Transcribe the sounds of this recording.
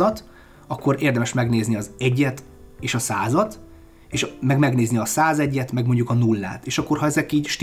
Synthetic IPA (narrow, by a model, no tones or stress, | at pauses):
ɒt̪ | ɒkːo̞ɾeːrd̪ɛmɛʃmɛɡneːzniɒzɛɟːɛt̪ | eːʃɒsaːzɒt̪ | eːʃmɛɡmɛɡneːzniɒsaːzɛɟːɛt̪mɛɡmo̞ɲɟukɒnulːa̰ːt̪eːʃɒkːo̞rɦɒɛzɛkiːɟʃt̪